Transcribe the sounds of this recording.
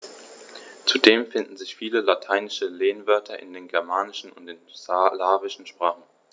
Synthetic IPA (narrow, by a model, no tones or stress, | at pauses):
t͡sudeːmfɪndn̩zɪçfiːləlatʰaɪnɪʃəleːnvœɐtʰɐʔɪ̰ndeːnɡɛɐmaːnɪʃn̩ʊ̰ntɪnslaːvɪʃn̩ʃpʁ̥aːχn̩